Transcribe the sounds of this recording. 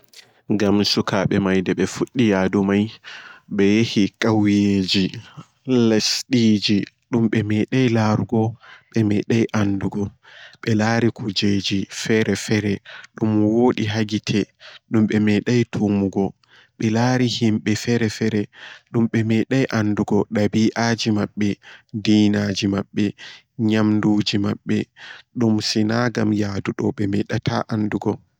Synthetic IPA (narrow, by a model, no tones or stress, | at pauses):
ɡamsukaɓɛmajdɛɓɛfuɗːijadumajɓɛjehikʼawjeːd͡ʒi | lasɗiːd͡ʒi | ɗumɓɛmɛɗajlaɾuɡɔɓɛmɛɗajʔanduɡɔɓɛlaːɾikʰud͡ʒed͡ʒifɛɾɛfɛɾɛɗumwoːɗiɦaɡitʰɛɗumɓɛmɛɗajtʰumuɡɔ | ɓɛlaːɾihimɓɛfɛɾɛfɛɾɛɗumɓɛmɛɗajʔanduɡɔɗabiːʔad͡ʒimaɓːɛdiːnad͡ʒimaɓːɛ | ɲamnduːd͡ʒimaɓːɛɗumsinaɡamjaːduɗɔɓɛmɛɗatʰa̰ʔanduɡɔ